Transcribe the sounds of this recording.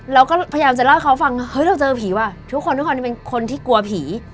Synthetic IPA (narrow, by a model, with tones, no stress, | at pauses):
ɾa˧wkɔː˥˩pʰa˧jaː˧mt͡ɕa˨˩la˥˩kʰa˦˥wfa˧ŋhɤ˦˥jɾa˧wt͡ɕɤː˧pʰiː˩˦waː˧˩t̪ʰu˥kʰːo˧nt̪u˦˥kʰo˧ni˧pe˧nkʰo˧nt̪ʰiː˥˩ku˧ɐpʰiː˩˦